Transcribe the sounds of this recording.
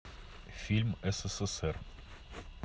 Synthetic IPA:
fʲilʲmɛsɛsɛsɛr

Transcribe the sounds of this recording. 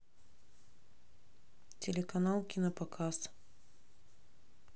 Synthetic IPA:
t̪ʲɛlʲɛkɐnɑlˠkʲinɐpɐkʰɑst̪

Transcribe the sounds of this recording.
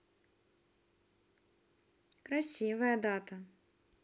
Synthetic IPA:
kɾasʲivɐjɐd̪at̪ɐ

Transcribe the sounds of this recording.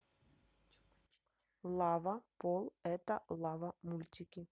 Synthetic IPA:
lˠavɐpɔlˠɛt̪ɐlˠavɐmulʲt̪ʲikʲi

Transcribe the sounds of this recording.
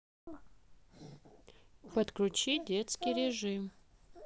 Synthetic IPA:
pɐt̪kɾut͡ɕidʲet̪skʲijɾʲeʐɨm

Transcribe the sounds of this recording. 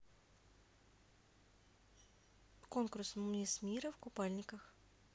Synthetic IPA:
konkʊrsmnʲismʲiɾəfkʊpalʲnʲɪkəx

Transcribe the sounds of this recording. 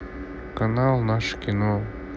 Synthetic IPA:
kanalˠnaʃkʲino

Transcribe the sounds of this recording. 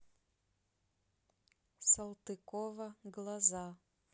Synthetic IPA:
sɐlˠt̪ɨkɔvɐɡlˠɐza

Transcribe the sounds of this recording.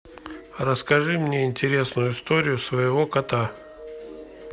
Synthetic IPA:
rəskɐʐɨmnʲeɪnʲtʲɪɾʲe̞snʊjʊɪst̪oɾʲɪjʊsvəjɪvokɐt̪a

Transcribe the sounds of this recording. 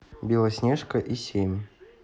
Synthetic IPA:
bʲilˠəsʲnʲeʂkəʔisʲemʲ

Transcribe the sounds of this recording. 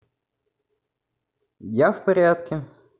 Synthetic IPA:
jafpɐɾʲat̪kʲɪ

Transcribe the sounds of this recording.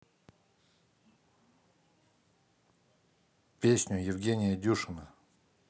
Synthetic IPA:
pʲesʲnʲʊjɪvɡʲenʲɪjədʲuʂɨnə

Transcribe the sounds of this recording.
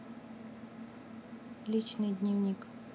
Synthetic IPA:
lʲit͡ɕnɨjd̪ʲnʲivnʲik

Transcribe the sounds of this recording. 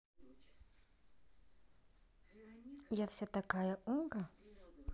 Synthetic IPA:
iafi̥sat̪aɡajaʔuŋɡə

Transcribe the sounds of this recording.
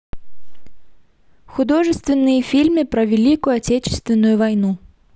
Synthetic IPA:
xʊd̪oʐɨst̪vʲɪnːɨjəfʲilʲmɨpɾɐvʲɪlʲikʊjʊatʲet͡ɕɪ̥st̪vʲɪnːʊjʊvajnu

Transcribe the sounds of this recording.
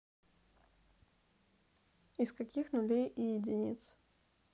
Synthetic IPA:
ɪskɐkʲixnʊlʲejʔɪjɪdʲɪnʲḭt̪s

